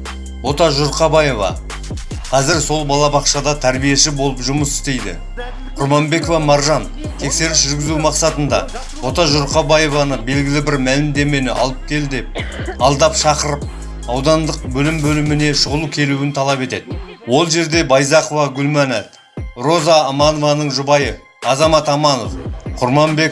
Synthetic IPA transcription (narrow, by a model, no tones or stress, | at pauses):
wo̞t̪ɑʒʊɾqɑbɑje̞vɑ̰ | qʰɑzɪɾso̞lˠbɑlˠɑbɑqʃɑd̪ɑt̪ʰæɾbije̞ʃɪbo̞lˠəpʒʊməsɪ̥d̪e̞jd̪ɪ̰ | qʰʊɾmɑmbe̞kovɑmɑɾʒɑn | t̪ʰe̞kse̞ɾɪpʒʏɾɡʲɪzumɑqsɑt̪ənd̪ɑ̰ | wo̞t̪ɑʒʊɾqɑbɑjevɑnəbe̞lɡʲɪlɪbɪɾmælɪmd̪e̞me̞nɪʔɑ̰lˠəp̚kʲʰe̞ld̪epɑlˠd̪ɑpʃɑqəɾəp̚ | ɑwd̪ɑnd̪əq̚bɵlɪmbɵlɪmɪne̞ʃʊʁəlˠukʲʰe̞luwɪnt̪ʰɑlˠɑpe̞t̪e̞d̪ɪwo̞lˠʒe̞ɾd̪e̞bɑjzɑqo̞vɑɡʲʊlmɑnæt̪ | ro̞zɑːmɑnovɑnəɴʒʊbɑjə | ɑzɑmɑt̪ɑmɑno̰fqʰʊɾmɑmbek